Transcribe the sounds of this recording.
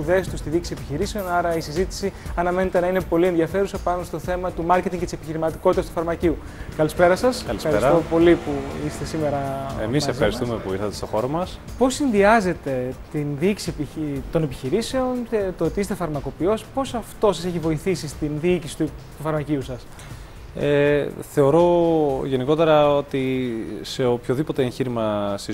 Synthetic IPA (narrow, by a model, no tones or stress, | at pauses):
uðe̞st̪ust̪iðici̥siepiçiɾise̞o̞nɐɾɐisizit̪i̥siɐnɐme̞ne̞t̪e̞nɐine̞po̞lieðiɐfe̞ɾusepɐnost̪o̞θe̞mɐt̪umɐɾce̞t̪iŋɡet̪isepiçiɾimɐt̪i̥kot̪it̪ɐst̪ufɐɾmɐciu | kɐlispe̞ɾɐsɐskɐlisɐɾest̪opo̞lipuist̪e̞sime̞ɾɐḛmisefxɐɾist̪umepuiɾθɐt̪est̪o̞xo̞ɾomɐspo̞sinðiɐze̞t̪e̞t̪inðiici̥siepit̪o̞ne̞piçiɾise̞o̞nt̪ot̪iist̪e̞fɐɾmɐko̞pio̞spo̞sɐft̪o̞sɐse̞çivo̞iθisist̪inðiicisi̥t̪ut̪ufɐɾmɐciusɐs | eθe̞o̞ɾo̞ʝe̞niko̞t̪e̞ɾɐo̞t̪ise̞opço̞ðipo̞t̪e̞ençiɾimɐsi